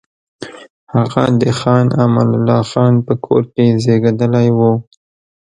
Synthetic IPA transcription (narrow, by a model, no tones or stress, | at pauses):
haɣad̪əxɑnamallːɑxɑnpəkʰo̰ɾkezeɡad̪əlajwu